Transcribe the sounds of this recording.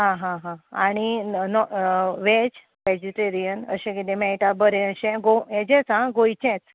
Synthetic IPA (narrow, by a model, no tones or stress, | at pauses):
ɦãɦãɦãaɽ̃inɔʋed͡ʑ | ʋɛd͡ʑiʈeɾijənə̰ɕɛ̃kit̪ẽmɛʈabəɾɛ̃əɕɛ̃ɡoɛd͡ʑɛ̃t͡sãɡojt͡ɕɛ̃t͡s